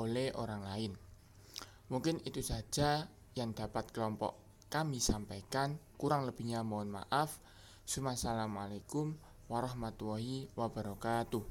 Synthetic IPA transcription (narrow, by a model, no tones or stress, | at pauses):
oleʔoɾaŋlaɪn | muŋkɪnit̪usḁʒ̥a̤ | jaŋd̪̥a̤pat̪̚klɔmpɔ̰ʔ | kamisampajkankuɾaŋləb̥i̤ɲamɔːnma̰ʔaf | sumasalamalekʊm | waɾɔhmat̪uwɔɦiwab̥a̤ɾokat̪u